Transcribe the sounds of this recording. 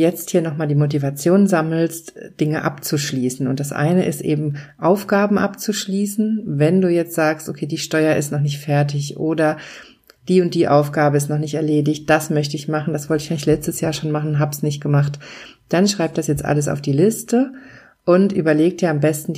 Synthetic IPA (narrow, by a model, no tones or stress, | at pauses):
jɛt͡sthiːɐnɔχmaːldiːmot̬ivat͡sjoːnzaml̩std̥ɪŋəʔa̰pt͡suʃliːsn̩ʊ̰ntd̥asʔa̰ɪnəʔɪstʔḛːbm̩ʔaʊfɡ̥aːbm̩ʔapt͡suʃliːsn̩vɛnduːjɛt͡stz̥aːkstokʰeːdiːʃtɔʏɐɪstnɔχnɪçtfɛɐtɪçʔoːdɐ | d̥iːʊnt̚d̥iːʔaʊfɡ̥aːbəɪstnɔχnɪçtɛɐleːdɪçt̚d̥asmœçtəɪçmaχn̩d̥asv̥ɔltɪçʔaɪlɪçlɛt͡stəsjaːɐʃoːnmaχn̩ɦaːbsnɪçt̚ɡ̥əmaχtd̥anʃʁ̥aɪp̚d̥asjɛt͡stʔa̰ləs̬a̰ʊfd̥iːlɪstə | ʔʊntʔyːbɐleːk̚d̥iːɐambɛstn̩